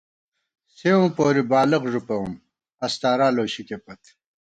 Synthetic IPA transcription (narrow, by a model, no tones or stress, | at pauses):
sewũːpoːɾibaːlɐqʐupɐum | ɐst̪aːɾaːloːɕikepɐt̪